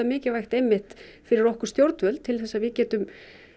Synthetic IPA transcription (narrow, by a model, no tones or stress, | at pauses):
amɪːcɪvajxt̪ɛjmːɪht̪fɪɾɪɾɔhkʏɾ̥st̪jowɾt̪vœlt̪ʰɪlθɛsːaðvɪcɛːt̪ʏm